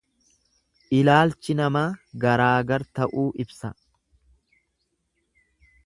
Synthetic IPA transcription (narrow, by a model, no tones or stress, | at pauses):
ʔɪlaːlt͡ʃɪnɐmaːɡɐɾaːɡɐɾt̪ɐʔuːʔɪbsɐ